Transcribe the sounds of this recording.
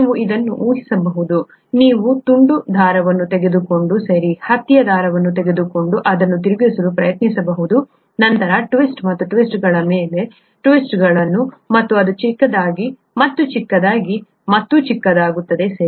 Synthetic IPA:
ʋuʔid̪ɐnːuʔuːɦisɐbɐɦud̪u | niːʋut̪uɳɖud̪ʱaːɾɐʋɐnːut̪ɛɡe̞d̪uko̞ɳɖusɐɾihɐt̪ːijɐd̪ʱaːɾɐʋɐnːut̪̬ɛɡe̞d̪uko̞ɳɖuʔɐd̪ɐnːut̪iɾubjɐsɐlupɾɐjɐt̪nisɐbɐɦud̪u | nɐnt̪ɐɾɐʈʋisʈmɐt̪ːuʈʋisʈɡɐɭɐmeːle̞ | ʈʋisʈɡɐɭɐnːumɐt̪ːuɐd̪ut͡ʃikːɐd̪aːɡi | mɐt̪ːut͡ʃikːɐd̪aːɡi | mɐt̪ːut͡ʃikːɐd̪aːɡut̪ːɐd̪e̞sɐɾi

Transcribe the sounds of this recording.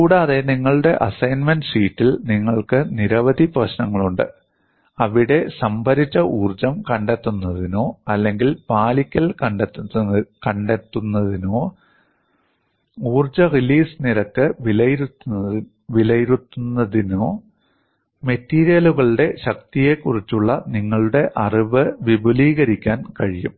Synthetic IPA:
kuːɽaːðe̞niŋːɐɭɨɽe̞ʔɐsɐjnmenɖsiːtːilniŋːɐɭkɨniɾɐʋɐd̪ʱiprɐɕnɐŋːɐɭuɳɖɨ̰ | ɐʋiɽe̞sɐmbʱɐɾit͡ɕːɐʔuːrd͡ʑɐmkɐɳɖet̪ːunːɐðino̞ːɐlːe̞ŋɡilpaːlikʲːɐlkɐɳɖ̪kɐɳɖet̪ːunːɐðino̞ː | uːrt͡ɕɐriliːsɨniɾɐkːɨʋilɐ | ʋilɐjiɾut̪ːunːɐðino̞ː | me̞tːiːɾijɐluɣɐɭuɽe̞ɕɐk̚t̪ije̞kːurit͡ɕːuɭːɐniŋːɐɭuɽe̞ʔɐriʋɨʋibʱuliːɣɐɾikʲːaːnkɐɻijum

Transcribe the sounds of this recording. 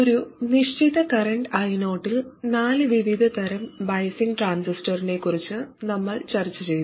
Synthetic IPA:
oɾuniʂt͡ɕiðɐkɐrɐɳʈɐjno̞ːʈːilnaːlɨʋiʋid̪ʱɐt̪ʰɐɾɐmbɐjsiŋɡʈraːnsisʈɐrine̞kːurit͡ɕːɨnɐmːɐɭt͡ɕɐrit͡ɕːɨt͡ɕejt̪

